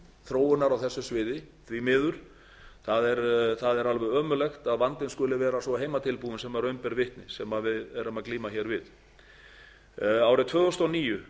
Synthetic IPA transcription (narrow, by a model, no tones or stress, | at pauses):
θɾoːwʏnaɾawθɛsːʏsvɪːðɪ | θvimɪːðʏɾ̥ | θaðɛɾθaðɛɾalvɛðœːmʏlɛxt̪aðvant̪ɪnskʏːlɪvɛːɾasvɔɦeːjmat̪ʰɪlpuːðʏnsɛmaɾœɥmpɛɾvɪht̪nɪsɛmaðvɪðɛɾʏmaðkliːmaçɛːɾvɪð | aːwɾɪt̪ʰv̥œːðɔst̪ɔwniːjʏ